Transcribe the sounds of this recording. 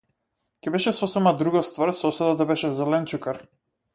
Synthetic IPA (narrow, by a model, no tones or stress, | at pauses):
kʲɛbɛʃɛsɔsɛmad̪ɾuɡɔst̪vaɾsɔsɛd̪at̪abɛʃɛzɛlɛnt͡ʃukaɾ